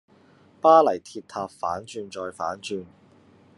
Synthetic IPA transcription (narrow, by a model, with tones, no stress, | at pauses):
paː˥lɐ˨˩jt̪ʰiː˧p̚t̪ʰaː˧p̚faː˨˥nt͡ʃyː˧nt͡ʃɔː˧jfa̰ː˨˥nt͡ʃyː˧n